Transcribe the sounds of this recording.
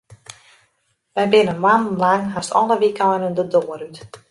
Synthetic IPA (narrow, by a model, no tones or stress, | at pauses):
ʋɛjbɪnəmanlaŋɦastɔləʋikɔjnəndədoːəɾyt